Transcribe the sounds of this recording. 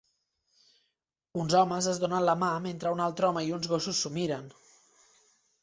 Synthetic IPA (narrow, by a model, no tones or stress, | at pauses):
unzɔməzəzðonənləmament̪ɾəunalˠt̪ɾɔməiunzɣosusːumiɾən